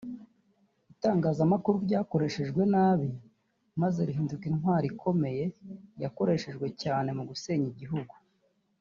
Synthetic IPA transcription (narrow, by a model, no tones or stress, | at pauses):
itaːŋɡaːzamakuɾuɾɟaːko̞ɾe̞ʃe̞ʒɡwe̞naːβi | maze̞ɾiɦiːndukinhwaːɾikʰo̞me̞je̞jako̞ɾe̞ʃe̞ʒɡwe̞caːne̞muɡuse̞ːɲiɟiɦuɡu